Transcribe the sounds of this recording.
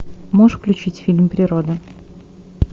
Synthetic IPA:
moʂfklʲʉt͡ɕitʲfʲilʲmpɾʲɪɾod̪ɨ

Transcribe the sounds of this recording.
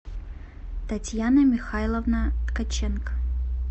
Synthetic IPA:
t̪ɐtʲjanɐmʲɪxajlˠəvnət̪kɐt͡ɕenk

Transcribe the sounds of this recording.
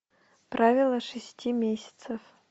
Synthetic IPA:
pɾʔavʲɪlˠəʂɨsʲtʲimʲesʲɪ̥t̪səf

